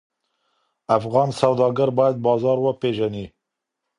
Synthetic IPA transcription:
æfɣɑːnsæwd̪ɑːɡɛɾbɑːjɛt̪̚bɑːzɑːɾwɔpeːʒɛniː

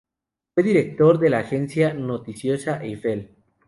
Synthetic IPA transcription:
fwe̞ðiɾek̚t̪o̞ɾðe̞laːxensjanot̪isjo̞saʔefel

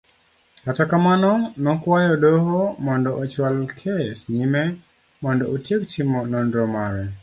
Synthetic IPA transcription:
katakamanɔnɔkwajɔdɔɦɔmɔndɔʔːt͡ʃwalkʰesɲimɛ | mɔndɔʔotjektimɔnɔndɾɔmaɾɛ

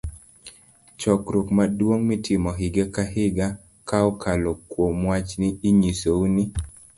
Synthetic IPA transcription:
t͡ʃɔkɾokmadwoŋmitʰɪmɔɦɪɡekaɦɪɡa | kaɔkʰalokwomwat͡ʃniːɲisouni

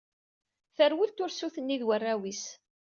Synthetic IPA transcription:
θəɾwəlt̪ʊɾsuθənːiðwərːæwis

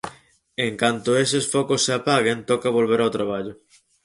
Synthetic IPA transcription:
eŋkant̪ʊesesfɔkosːeapaɣent̪ɔkɐβ̞olβeɾawt̪ɾaβ̞aʎʊ

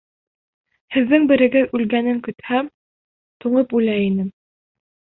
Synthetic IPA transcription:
hɘ̆ðːɘŋbɘ̆ɾɘ̆ɡɘðʉlɡænɘŋkɵ̆t̪hæm | t̪uɴɤpʉlæinɘm

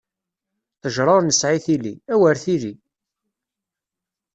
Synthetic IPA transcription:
θəʒɾˤɑɾˤnəsʕiθiliæwəɾθili

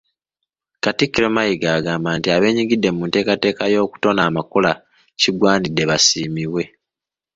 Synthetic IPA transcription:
katikːiɾomajiɡaːɡaːmbaːntiaβe̞ːɲiɡidːe̞muːnte̞ːkate̞ːkajo̞ːku̥to̞naːmakola | ciɡwaːnidːe̞βasiːmiβwe̞

